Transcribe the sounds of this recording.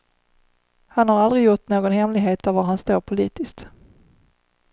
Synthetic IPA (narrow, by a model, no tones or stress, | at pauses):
hanhaɾald̪ɾɪɡjʊʈːnoːɡɔnhɛmlɪɡɦeːt̪avaɾɦanst̪uːɾpʰʊliːt̪ɪst̪